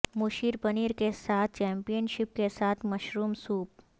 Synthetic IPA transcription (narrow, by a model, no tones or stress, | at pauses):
mʊʃiːɾpɐniːɾkesaːt̪̚ʰt͡ʃɛ̃ːmpijənʃɪp̚kesaːt̪ʰmɐʃɾuːmsuːp̚